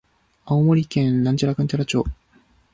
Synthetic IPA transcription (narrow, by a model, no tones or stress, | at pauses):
aomoɾʲikẽnːãɲd͡ʑaɾakɯ̟nt̪eɾat͡ɕo̰ː